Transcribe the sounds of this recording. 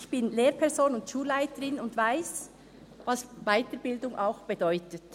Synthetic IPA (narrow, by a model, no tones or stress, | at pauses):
çb̥ɪnleːɾpʰɛʁzoːnʊntʃuːlːaɪtəɾɪnʊndvaɪs | vɑsvaɪtəɾbɪldʊŋʔa̰ʊxb̥edɔʏtət